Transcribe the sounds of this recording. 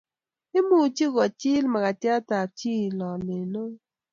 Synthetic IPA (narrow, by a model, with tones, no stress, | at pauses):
ɪ˦mu˦˨t͡ʃi˦ɣɔ˨t͡ʃɪ˦lma˨ka˨tja˦ta˨t͡ʃi˦˨lɔ˨me˨no˦